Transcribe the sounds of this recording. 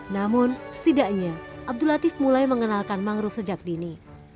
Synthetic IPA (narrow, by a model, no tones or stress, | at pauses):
namʊnsə̥t̪idaʔɲaʔab̚dulat̪ɪfmulajməŋənalkanmaŋɾusəd͡ʒak̚dini